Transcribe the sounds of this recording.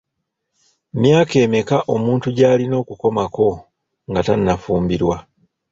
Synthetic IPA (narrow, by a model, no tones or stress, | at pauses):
mjaːke̞ːme̞kaʔo̞muːntuɟaːlino̞ːkuko̞mako̞ | ŋɡatanːafuːmbiɾwa